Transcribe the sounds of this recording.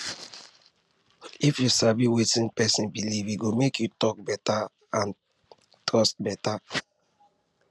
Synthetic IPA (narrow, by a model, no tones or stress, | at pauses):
ifjusaviwetĩnpɛsĩnbiliviɡomekjutɔk̚bɛta | ãn | tɹɔst̚bɛta